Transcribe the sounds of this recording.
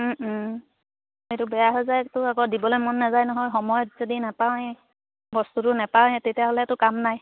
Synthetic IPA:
ejtʊbɛjaɦɔjzajtʊaɡɔdibɔlojmɔnːazajnɔɦɔjxɔmɔjɔtz̥odinapawɛ | bɔstutʊnapaw̃ɛtetijaɦɔlɛtʊkamnaj

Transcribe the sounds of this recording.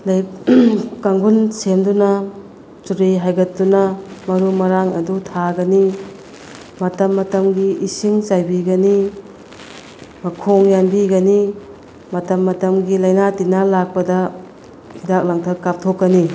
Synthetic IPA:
laj | kaŋɡunsemdunɐ | t͡ʃuɾiɦajɡɐt̚dunɐmɐɾumɐɾaŋɐ̰dutʰaɡɐni | mɐtɐmːɐtɐmɡiisiŋt͡ʃajbiɡɐni | mɐkʰoŋjanbiɡɐni | mɐtɐmːɐtɐmɡilɐjnatinalak̚pɐdɐ | hidak̚laŋtʰɐkːap̚tʰokːɐni

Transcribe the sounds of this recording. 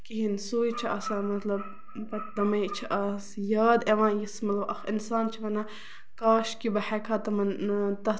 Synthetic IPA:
kiɦinsuːjt͡ʃʰiɐsamɐt̪lɐb | pɐt̪d̪ɐmɐjt͡ʃʰiʔɐsjaːd̪eʋãːjismɐt̪lɐbʔɐxinsaːnt͡ʃʰiʋɐnɐ | kaːʃkibɐhɛkʰaːt̪ɐmɐnt̪ɐ

